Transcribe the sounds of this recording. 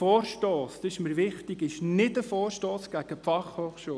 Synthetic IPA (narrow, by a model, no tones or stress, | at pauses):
fɔːɾʃtoːst̪ɪʃməɾʋɪχtiɡɪʃnɪtəfoːɾʃtoːsɡ̥æɡ̥əpfɑχhoːχʃuː